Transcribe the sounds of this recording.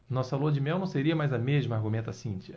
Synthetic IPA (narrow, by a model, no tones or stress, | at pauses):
nɔsɐlod͡ʒɪmɛw̃nɐ̃w̃seɾiɐmajzɐmeʒmɐahɡumẽt̪ɐsĩt͡ʃi